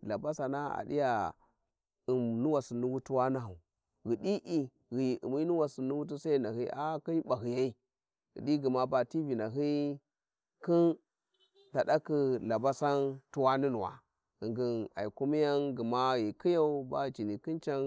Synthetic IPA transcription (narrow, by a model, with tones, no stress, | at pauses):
la˨ba˦sa˨na˦a̰˨dḭ˦ja˨ | i˨mnu˦wa˨si˨nu˦wu˦tu˦wa˦na˦ɦa˨ | ɣi˨di˦ʔi˦ | ɣi˨ḭ˨mi˦nu˦wa˨si˨nu˦wu˦t̬u˦sa˦i˨na˨ɦi˦a˦ki˦ba˨ɦi˨ja˦i˦ | ɣḭ˨ɗi˦ɡi˨ma˦ba˨ti˦vi˨na˨ɦi˦ | ki˦n | da˨ɗa˦ki˦la˨ba˦sa˦ntu˦wa˦ni˦nu˨wa̰˨ | ɣi˨ŋɡi˨na̰˨i˨ku˦mi˦ja˦nɡə˨ma˦ji˨ki˦ja˦u˦ba˦˨t͡ʃi˨ni˨ki˦nt͡ʃa˦n